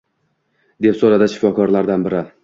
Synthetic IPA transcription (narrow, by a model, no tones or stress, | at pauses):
d̪e̞psoɾad̪ɪʃɪ̥fɒkʰɒɾlaɾd̪anbɪɾɪ